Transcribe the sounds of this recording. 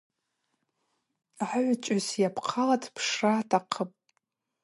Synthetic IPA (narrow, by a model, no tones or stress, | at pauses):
ʕaʕʷt͡ʃʼasjapʰqʰalatʰpʰʂratʰaqʰəpʼ